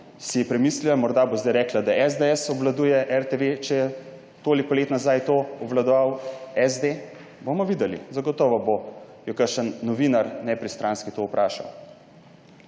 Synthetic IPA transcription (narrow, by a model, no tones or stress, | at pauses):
sijɛpɾɛmiːslilamɔɾd̪abozd̪ajɾɛːklad̪aɛzd̪eɛsɔblad̪uːjɛʔɛɾt̪eʋet͡ʃɛjɛ | t̪oːlikɔleːt̪nazajt̪oːɔʋlad̪ɔʋawɛzd̪e | bomɔʋid̪ɛlḭzaɡɔt̪ɔːʋɔbojɔkəɾʃənːɔʋiːnaɾnɛpɾist̪ɾʔaːnskit̪oːupɾʔaːʃa̰w